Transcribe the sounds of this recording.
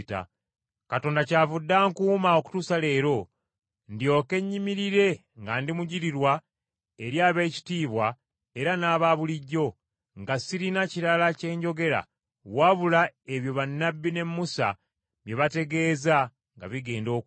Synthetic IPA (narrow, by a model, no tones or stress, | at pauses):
ta̰ | kato̞ːndacaːvudːaŋkuːmao̞ku̥tuːsale̞ːɾo̞ | ndio̞ːke̞ɲːimiɾiɾe̞ | ŋɡandimuɟiɾiɾwa | eɾjaːβe̞ːci̥tiːβwa | e̞ɾanaːβaβuliɟːo̞ | ŋɡasiɾinaciɾalace̞ːɲɟo̞ɡe̞ɾa̰ | waβulae̞βjo̞βanːabːine̞mːusa̰ | βje̞βate̞ɡe̞ːza | ŋɡa̰βiɡe̞ːndo̞ː